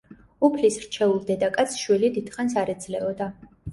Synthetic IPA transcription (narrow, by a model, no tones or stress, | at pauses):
upʰlisɾt͡ʃʰɛulˠd̪ɛd̪akʼat̪sʰʃwilid̪id̪χans̬aɾɛd̪zlɛɔd̪a